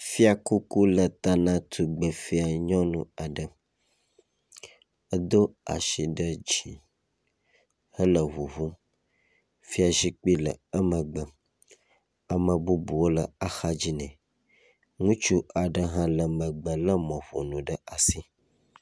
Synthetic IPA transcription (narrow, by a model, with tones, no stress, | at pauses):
fi˦a˨ku˦ku˦lə˨t̪a˦nã˦t̪ʰu˨ɡ͡bə˨fi˦a˨ɲɔ̃˦nũ˨a˨ɖə˨ | ə˦d̪o˦a̰˨ʃi˨ɖə˦d͡ʒi˨ | hə˦lə˨βu˨vu˦ | fi˦a˨ʒi˦k͡pi˦lə̰˨ə˦mə̃˨ɡ͡bə˨ | a˨mə̃˨bu˦bu˨wo˦lə˨a˨xa˦d͡ʑi˦nɛ̃˨ | ŋũ˦t͡ʃu˦a˨ɖə˦ɦã˦lə˨mə̃˨ɡ͡bə˨lə˦mɔ̃˨ɸo̰˨nũ˨ɖə˦a˨si˦